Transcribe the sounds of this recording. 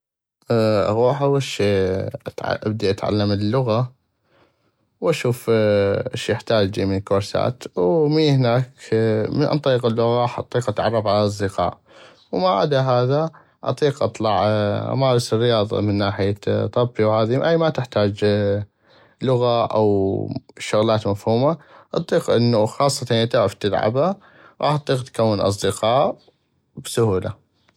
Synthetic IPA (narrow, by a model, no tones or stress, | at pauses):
ʔa̰ɣuːħʔawaʃiːʕa̰ʔa̰b̚d̪iʔat̪ʕa̰lːaməlːʊɣa | wʔaʃuːfɪʃjɪħt̪aːd͡ʒimikoɾsa̰ːt̪wmiːhnaːkmʔɑ̰nt̪ˤɑiːqɪlːʊɣaħʔɑ̰t̪ˤːiːqʔat̪ʕɑ̰rˤːɑfʕalaɑz̬ˤd̪ɪqɑ̰ːʔ | wmaʕa̰d̪aɦaːða | ʔɑ̰t̪ˤiːqʔɑt̪ˤlɑʕa̰maːɾˤɑsrːɪjɑːðˤɑ̰mɪnːaːħɪjat̪ˤɑbːiwhaːðiʔajmat̪ɪħt̪aːd͡ʒ | lʊɣaʔa̰w | ʃʊɣlaːt̪mafhuːmaʔɑ̰t̪ˤiːqʔɪnːuxɑːsˤːɑt̪ɑnt̪aʕɪft̪ɪlʕa̰ba | ɾˤʔɑ̰ːħt̪ˤːiːqt̪kawːɪnʔɑ̰s̬ˤd̪əqɑːʔ | bsʊhuːla̰